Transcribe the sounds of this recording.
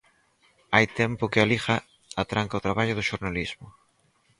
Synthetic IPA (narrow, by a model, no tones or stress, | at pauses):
ajt̪ɛmpʊkɪalixa | at̪ɾaŋkaot̪ɾaβaʎʊðʊʃoɾnalizmʊ